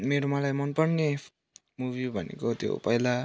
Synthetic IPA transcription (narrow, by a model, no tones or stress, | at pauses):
meɾomalajmʌnpʌɽne | mubʱibʱʌnḛkot̪jo̰pʌjla